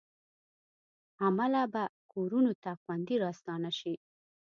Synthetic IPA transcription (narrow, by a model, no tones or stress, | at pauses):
amalabakoɾunot̪axwand̪iɾɑst̪ɑnaʃi